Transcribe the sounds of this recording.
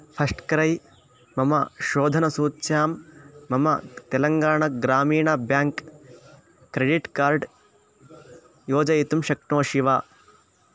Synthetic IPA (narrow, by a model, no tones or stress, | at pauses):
pʰɐsʈkɐɾɐj | mɐmɐʃoːd̪ʱɐnɐsuːt̪ːʃjaːmːɐmɐ̰t̪elɐŋɡaːɳɐɡɾaːmiːɳabjaːŋkː | ɾeɖiʈkaːɾɖ | joːd͡ʒɐjit̪umʃɐk̚ɳoːʃiʋaː